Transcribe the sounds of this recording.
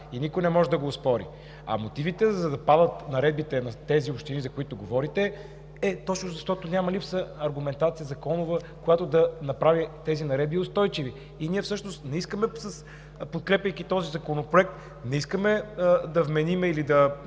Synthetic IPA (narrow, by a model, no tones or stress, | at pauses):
inikʊjnɛmɔʒɛd̪ɐɡoːspɔɾḭ | ɐ̰mot̪ivit̪ɛzɐd̪ɐpad̪ət̪nɐɾɛd̪̚bit̪ɛnɐt̪ɛziopʃt̪inizɐkʊit̪ʊɡovɔɾit̪ɛ | ɛt̪ɔt͡ʃnozɐʃt̪ɔt̪onʲamɐlipsəɐɾɡʊmɛnt̪at̪sijəzɐkɔnʊvə | kojat̪od̪ɐnɐpɾavit̪ɛzinɐɾɛd̪̚biʊst̪ɔjt͡ʃiviː | niɛfsɤʃnost̪nɛiskəmɛsəs | pot̪̚kɾɛpʲəjkit̪ɔzizɐkonopɾoɛk̚t̪ | nɛiskəmɛd̪ɐvmɛnimɛilid̪ɐ